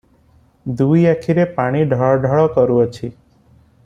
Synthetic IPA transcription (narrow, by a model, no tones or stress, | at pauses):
d̪uiakʰiɾepaɽ̃iɖʱaɭɖʱaɭɔkəɾuot͡ʃʰi